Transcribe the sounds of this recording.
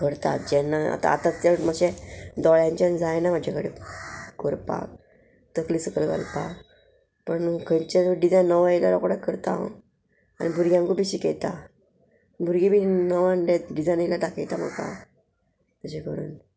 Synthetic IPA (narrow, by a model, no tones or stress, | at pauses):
kəɾt̪a̰d͡ʑɛnːaa̰t̪a̰a̰t̪at̪əməɕɛd̪ɔɭjãɲt͡ɕand͡zajnam̤ad͡ʑʱakəɽekəɾpa̰k̚ | t̪əkliːsəkəlɡa̰lpak | pəɳkʰəɲt͡ɕeɖid͡zajnːəʋailalɔkɽakəɾt̪a̰ | anibʱuɾɡjãŋkubiɕikɛt̪a | bʱuɾɡibiːnəʋãnɖeɖid͡zajnilaʈakʰejt̪am̤ə̰ka̰ | t̪əɕekəɽən